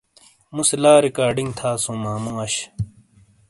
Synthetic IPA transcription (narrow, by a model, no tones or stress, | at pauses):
muslaːɾikaːɾɖiŋɡt̪ʰaːsũːmaːmũɐɕ